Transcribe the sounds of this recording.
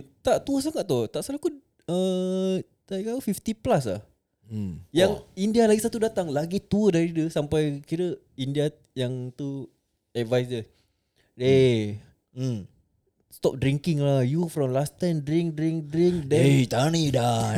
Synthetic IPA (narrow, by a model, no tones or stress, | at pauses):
t̪aʔt̪uəs̬aŋat̪̚t̪ːut̪aʔsalaku | ə | t̪akawəfift̪iplasla̰h̩ | jaŋindialaɡisat̪udat̪aŋlaɡit̪uədaɾidəsampajkiɾə | india | jaŋt̪u | ɛt̚vajsəs | e | st̪ɔp̚dɾiŋkɪŋlahjufɾɔmlast̪ajmdɾiŋk̚dɾiŋk̚dɾiŋk̚dɛet̪anida